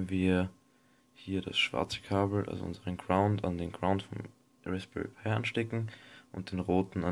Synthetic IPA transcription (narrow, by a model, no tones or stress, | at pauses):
nviːɐ | hiːɐdasʃv̥a̰ɐt͡sə̥kʰaːbl̩ʔa̰lzo̰ʔʊ̰nzəʁənɡʁaʊntandeːnɡʁaʊntfɔm | ʁɛspiə̰pʰɛʔanʃtɛkŋ̩ʔʊnt̚d̥eːnʁoːtn̩a